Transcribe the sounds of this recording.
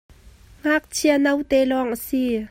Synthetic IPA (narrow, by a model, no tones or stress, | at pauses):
ŋaːk̚t͡sʰianɐwt̪ɛːlɔŋʔəsi